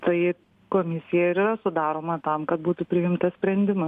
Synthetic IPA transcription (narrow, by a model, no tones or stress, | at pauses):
t̪ɐɪ | koːmʲɪsʲɪjɛɪɾiːɾɐsʊd̪ɑːɾoːmɐt̪ɐmkɐt̪̚buːt̪ʊpʲɾʲɪjɪmt̪ɐssʲpʲɾʲɛnʲd̪ʲɪmɐ